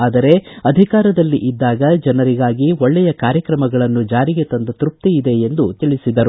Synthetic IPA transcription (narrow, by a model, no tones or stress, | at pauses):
aːd̪ɐɾe̞ɐd̪ʱikaːɾɐd̪ɐlːiʔid̪ːaːɡɐd͡ʒɛnɐɾiɡaːɡiɔɭːɛjɐkaːɾjɐkɾɐmɐɡɐɭɐnːud͡ʒaːɾiɡet̪ɐnd̪ɐt̪ɾup̚t̪iid̪e̞end̪ut̪iɭisid̪ɐɾu